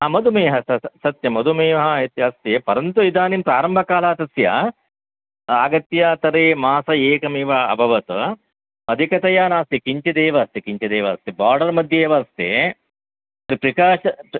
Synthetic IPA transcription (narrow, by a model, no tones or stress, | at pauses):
amɐd̪ʱumeːɦɐsɐsɐt̪jɐmɐd̪umeːʋɐɦɐɦit̪jaːst̪jeːpɐɾɐnt̪uid̪aːnimpɾaːɾɐmbʱɐkaːlaːt̪ɐsjɐ̰ | aːɡɐt̪jɐt̪ɐɾeːmaːsɐeːkɐmiːʋɐɐ̰bʱɐʋɐt̪ɐ | ɐd̪ʱikɐt̪ɐjaːnaːst̪jɐkiɲt͡ʃɐd̪eːʋɐːst̪jɐkiɲt͡ʃɐd̪eːʋɐːst̪ibaːɾɖɐɾmɐd̪ʱjɐeːʋɐst̪ḛ | t̪ɾipɾikaːʃɐ